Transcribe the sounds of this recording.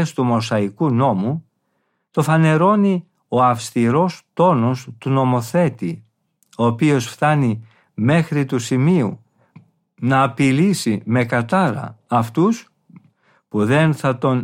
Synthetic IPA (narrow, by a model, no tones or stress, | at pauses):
est̪umo̞sɐikuno̞mu | t̪o̞fɐne̞ɾo̞ni | o̞ɐfst̪iɾo̞st̪o̞no̞st̪uno̞mo̞θe̞t̪i | o̞ːpio̞sft̪ɐni | me̞xɾit̪usimiu | nɐːpilisime̞kɐt̪ɐɾɐ̰ːft̪us | puðe̞nθɐt̪o̞n